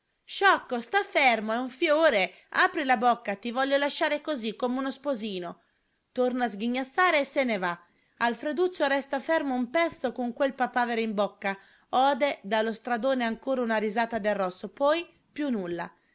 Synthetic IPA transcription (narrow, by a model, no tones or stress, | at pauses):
ʃɔkːost̪afeɛrmoɛuɱfjoːɾe | aːpɾilabokːat̪ivɔʎːolaʃːaːɾekozikːomeunospoziːno | t̪ornaːzɡiɲːat̪ːaːɾeːseneva | alfɾed̪ut͡ʃːoɾɛst̪afɛrmoumpɛt̪sːokoŋkwelpapaːveɾeimbokːa | ɔːd̪ed̪alost̪ɾad̪oːneaŋkoːɾaunaɾizaːt̪ad̪erːɔsːopɔj | pjunulːa̰